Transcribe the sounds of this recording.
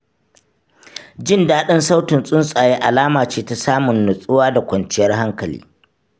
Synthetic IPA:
d͡ʒɪ˦ndaː˦ɗɐ˦nsa˦wtɪ˨nsʼʊ˦nsʼaː˨je˦ʔa˨laː˦maː˨t͡ʃeː˦ta˦saː˦mʊ˨nːʊ˨sʼʊ˦waː˦da˨kʷɐ˨nt͡ʃɪ˦jɐ˦rɦa˦ŋkɐ˨lḭː˦

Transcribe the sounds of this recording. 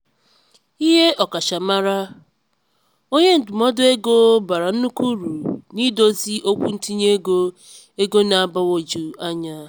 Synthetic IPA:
i˦ɦe˦ʔɔ˨ka˨ʃa˨ma˦ɾa˦ | o˦ɲe˦n̩˨tʊ˨mɔ˦dʊ˦e˦ɡo˦ba˨ɾa˨n̩˦nu˦ku˦ɾu˨ni˦do˦zi˦ʔo˦kʷu˦n̩˦ti˦ɲe˦ɡo˦ | e˦ɡo˦na˨a˨ba˦wo˨d͡ʒu˨a˦ɲa˦

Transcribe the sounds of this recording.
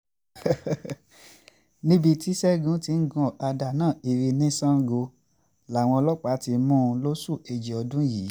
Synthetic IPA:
nĩ˦bi˧ti˦sɛ˦ɡũ˦ti˧˦n̩˦ɡɔ̃˦˨a˧da˨nãː˦˨i˧ɾi˧nĩ˦sã˦ɡo˧ | la˨w̃ɔ̃˧lɔ˦k͡pa˨˦ti˧mũ˦˧lo˦su˦˨e˧d͡ʒi˨ɔ˧dũ˦jiː˨˦

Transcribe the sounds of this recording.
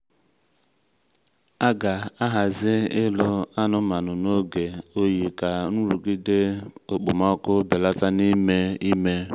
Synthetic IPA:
a˦ɡa˨a˦ɦa˨zɪ˦ɪ˦lʊ˦a˦nʊ˦ma˨nʊ˨no˦ɡe˨o˦ji˨ka˨nu˦ɾu˨ɡi˦de˦o˨k͡po˨mɔ˦kʊ˦bɪ˨la˦ta˦ni˦me˦i˦me˦

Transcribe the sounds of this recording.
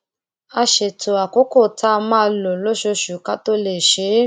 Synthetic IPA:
a˧ʃe˨to˨a˨ko˦ko˦˨tʰa˦˧mã˦lo˨lo˦ʃo˧ʃu˨˦ka˦to˦le˨ʃe˨˦

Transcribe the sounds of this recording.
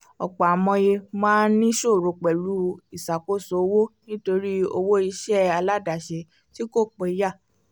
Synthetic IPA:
ɔ̰˨k͡pa˨a˨mɔ̃˧je˧mãː˦n̩˦nĩ˦ʃo˦˨ɾo˧k͡pɛ˨lu˨˦i˦˨sa˨ko˦˨so˨˧˦wo˦nĩ˦to˧ɾi˦o˧wo˦i˧ʃɛ˦a˧la˦da˨ʃe˧ | ti˦ko˦˨k͡pɔ˧i˧ja˦˨

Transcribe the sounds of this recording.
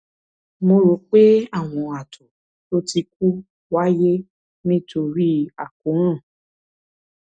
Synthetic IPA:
mo˧ɾo˨˦k͡pe˦a˦˨w̃ɔ̃˧a˨tʰo˨ | to˦ti˧k̚u˦ | wa˦je˦ | nĩ˦to˧ɾi˦a˨ku˨˦ɾ̃ã˦˨

